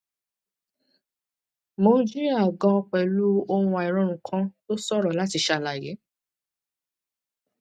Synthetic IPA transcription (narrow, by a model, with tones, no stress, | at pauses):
mã˨˦d͡ʒi˦ɾi˦a˦˨ɡɔ̃˧k͡pɛ˨lu˦o˦hũ˧ɛ˨ɾ̃ɔ̃˧˨ɾ̃ũ˨kʰã˦to˦sɔ˦ɾɔ˨la˨˦ti˧ʃa˧la˨je˨˦